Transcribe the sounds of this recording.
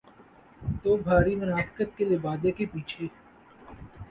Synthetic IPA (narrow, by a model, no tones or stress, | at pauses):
t̪oːbʱaːɾimʊnaːfɪ̥kət̪̚kelɪbaːd̪ekepiːt͡ʃʰe